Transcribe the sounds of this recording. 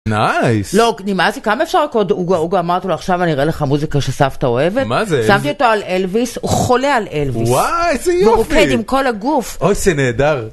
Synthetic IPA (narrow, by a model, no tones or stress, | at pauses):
najslonimazikamaefʃaʁlakod̪uɡauɡoamaʁt̪iloaχʃavaniʁeleχamuzikaʃesaft̪ao̞e̞vetmazesamt̪io̞t̪o̞alelvisuχo̞lealelviwsajzejoufkeimko̞laɡufojzeneːd̪aʁ